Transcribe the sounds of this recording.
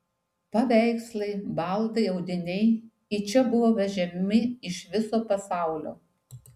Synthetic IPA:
pɐʋʲæɪkslˠɐɪbɐlˠd̪ɐɪɐʊd̪ʲɪnʲɛɪ | ɪt͡ʃʲɛbʊʋoːʋʲɛʒʲɛmʲmʲɪɪʃʋʲɪsoːpɐsɑˑʊlʲo̰ː

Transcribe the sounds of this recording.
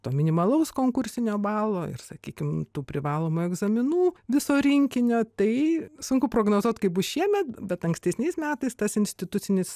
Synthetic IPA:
t̪oːmʲɪnʲɪmɐlˠɐʊskoːŋkʊɾʲsʲɪnʲoːbɑːlˠoːɪ̰rsɐkʲiːkʲɪmt̪uːpʲɾʲɪʋɑːlˠoːmuːɛɡzɐmʲɪnuːʋʲɪsoːɾʲɪŋʲkʲɪnʲoːt̪ɐɪsʊŋkʊpɾoːɡnoːzuɔt̪ʲkɐɪbʊsʃʲiɛmʲɛt̪̚bʲɛt̪ɐŋksʲt̪ʲɛsʲnʲɛɪsmʲæːt̪ɐɪst̪ɐsɪnʲsʲtʲɪt̪ʊt̪t͡ssʲɪnʲɪs

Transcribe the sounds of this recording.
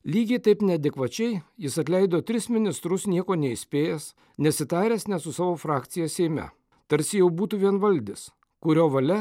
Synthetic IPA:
lʲiːɡʲɛɪt̪ɐɪpnʲɛɐd̪ʲɛkʋɐt͡ʃʲɛɪjɪsɐt̪ʲlʲɛɪd̪oːt̪ʲɾʲɪsmʲɪnʲɪst̪ɾʊsnʲiɛkoːnʲɛɪsʲpʲeːjɛs | nʲɛsʲɪt̪ɑːɾʲæːsnʲɛt̪sʊsɑːʋoːfɾɑːkt̪sʲɪjɛːsʲɛɪmʲɛ̰ | t̪ɐɾʲsʲɪjɛʊbuːt̪uːʋʲiɛnʋɐlʲd̪ʲɪs | kʊɾʲoːʋɐlʲɛ

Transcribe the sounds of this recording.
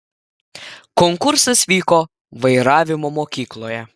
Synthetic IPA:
kɔŋkʊɾsɐsʋʲiːkoː | ʋɐɪɾɑːʋʲɪmoːmoːkʲiːklˠoːjɛ

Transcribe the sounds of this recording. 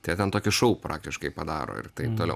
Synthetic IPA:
t̪ɐɪjt̪ʲɛnt̪oːkʲɪʃɐʊpɾʔɑ̰ːk̚t̪ʲɪʃkɐɪpɐd̪ɑ̰ːɾo̰ːɪ̰rt̪ɐɪp̚t̪oːlɛʊ

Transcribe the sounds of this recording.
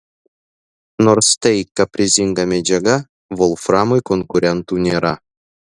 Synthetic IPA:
norst̪ejkːapʲrʲizʲiŋɡamʲed͡ʑaɡa | volˠframojkonkuɾʲent̪unʲeɾɑ

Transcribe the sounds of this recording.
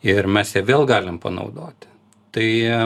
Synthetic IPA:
ɪrmʲɛsjɛʋʲeːlˠɡɑːlʲɪmpɐ̰nɐ̰ʊd̪oːt̪ʲ | t̪ɐɪ

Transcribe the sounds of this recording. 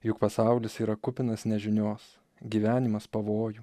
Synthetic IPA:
jʊkpɐsɑˑʊlʲɪsiːɾɐkʊpʲɪnɐsnʲɛʒʲɪnʲoːs | ɡʲiːʋʲæːnʲɪmɐspɐʋoːju

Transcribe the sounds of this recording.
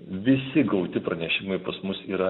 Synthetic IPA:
ʋʲɪsʲɪɡɐʊt̪ʲɪpɾɐnʲɛʃʲɪmɐɪpɐsmʊsiːɾɐ

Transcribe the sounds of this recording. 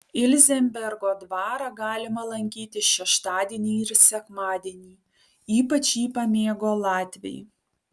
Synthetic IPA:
ɪlʲzʲɛmʲbʲɛɾɡoːd̪ʋɑːɾɑɡɑːlʲɪmɐlˠɐŋʲkʲiːt̪ʲɪʃʲɛʃt̪ɑːd̪ʲiɛnʲiːɪɾsʲɛkmɑːd̪ʲiɛnʲiː | iːpɐt͡ʃʲiːpɐmʲeːɡoːlˠɑːt̪ʲʋʲɛ̰j

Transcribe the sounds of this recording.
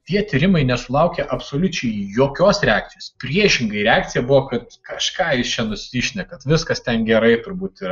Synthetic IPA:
t̪ʲiɛt̪ʲiːɾʲɪmɐɪnʲɛsʊlˠɐʊkʲeʔɐpsoːlʲʊt͡ʃʲɛɪjoːkʲoːsɾʲɛaːk̚t̪ʲɪjoːspʲɾʲiɛʃʲɪŋɡɐɪɾʲɛaːk̚t̪sʲɪjɛbʊʋoːkɐt̪kɐʃkɑːjɪst͡ʃʲɛnʊsʲɪʃʲnʲɛkɐt̪ʋʲɪskɐst̪ʲɛnɡʲɛɾɐɪt̪ʊɾbuːt̪iɾ

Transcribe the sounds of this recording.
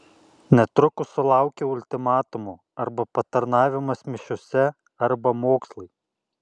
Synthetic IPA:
nʲɛt̪ɾʊkʊsʊlˠɑˑʊkʲɛʊlʲt̪ʲɪmɑːt̪ʊmu | ɐɾbɐpɐt̪ɐɾnɑːʋʲɪmɐsmʲɪʃʲʊsʲɛ | ɐɾbɐmoːkslˠɐɪ

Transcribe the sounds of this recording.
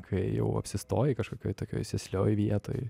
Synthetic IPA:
kʲijɛ̰ʊɐ̰pʲsʲɪst̪oːjɪkɐʃkoːkʲoːjt̪oːkʲo̰ːjsʲɛsʲlʲo̰ːjʋʲiɛt̪o̰ːj

